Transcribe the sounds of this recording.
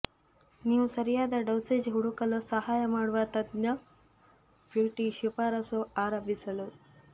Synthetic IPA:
niːʋusɐɾijaːd̪ɐɖɐwseːd͡ʒɦuɽukɐlusɐɦaːjɐmaːɽuʋɐt̪ɐd̪nɐ | buːʈiʃipaːɾɐsoaːɾɐbʱisɐlu

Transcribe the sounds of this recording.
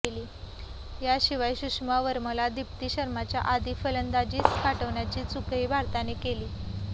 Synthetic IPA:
eliː | jaɕiʋajɕuʂmaʋəɾməlad̪ipt̪iːɕəɾmat͡ɕja̰ʔad̪iːfələnd̪ad͡ʑiːt͡skaʈəʋɳjat͡ɕiːt͡sukiːbʱaɾt̪anekeliː

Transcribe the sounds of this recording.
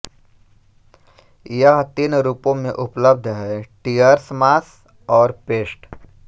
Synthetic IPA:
jəɦt̪iːnɾuːpõmẽʔʊpləb̚d̪ʱɦɛʈijəɾsmaːs | ɔːɾpeːsʈ

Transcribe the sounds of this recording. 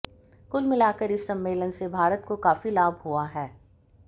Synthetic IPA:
kʊlmɪlaːkəɾɪsːɐ̃mːeːlənsebʱaːɾət̪kokaːfilaːbʱɦuaɦɛː

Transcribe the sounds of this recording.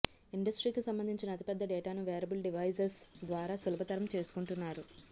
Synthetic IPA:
iɳɖɐsʈɾiːkisɐmbɐnd̪ʱiɲt͡ʃinɐt̪i̥pɛd̪ːɐɖɛːʈaːnuʋɛːɾɐbulɖiʋɐjsɐɾsd̪ʋaːɾaːsulɐbɐt̪ɐɾɐmt͡ʃe̞ːsu̥kuɳʈunːaːɾu

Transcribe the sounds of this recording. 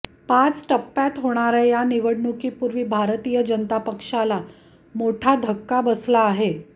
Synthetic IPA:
pãt͡sʈəpːjat̪ɦoɽ̃aɾajaniʋəɽɳukiːpuɾʋiːbʱaɾt̪ijəd͡ʑənət̪apəkʂala | moʈʰad̪ʱəkːabəslaːɦe

